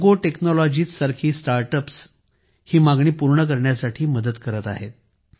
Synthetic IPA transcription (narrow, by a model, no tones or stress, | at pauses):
ɡoʈeknɔlɔd͡ʑiːt͡ssaɾkʰiːsʈaɾʈəps | hiːmaɡɳiːpuɾɳək̬əɾɳjasaʈʰiːməd̪ət̪kəɾət̪a̰ɦet̪̚